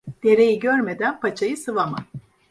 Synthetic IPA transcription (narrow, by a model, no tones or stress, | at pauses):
d̪̥e̞ɾe̞jiɟøɾme̞d̪ænpʰat͡ʃʰajɯsɯvaman